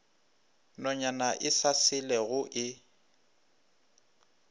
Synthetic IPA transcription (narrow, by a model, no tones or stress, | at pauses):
nɔɲanaʔɪsasɪlɛɣʊʔɪ